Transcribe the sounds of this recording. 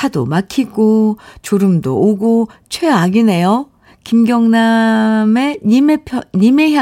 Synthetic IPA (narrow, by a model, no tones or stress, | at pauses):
adomakʰiɡot͡ɕoɾɯmdo̰ʔːɡot͡ɕʰweaɡine̞jo | kimɡjʌŋname̞ɲimepʰjʌɲimeɦja